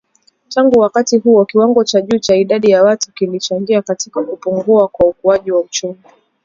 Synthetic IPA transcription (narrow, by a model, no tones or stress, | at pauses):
taŋɡuwakatiɦuɔkiwaŋɡɔt͡ʃaʄuːt͡ʃaiɗaɗijawatu̥kilit͡ʃaŋɡiakatikakupuŋɡuakwaukuaʄiwaut͡ʃumi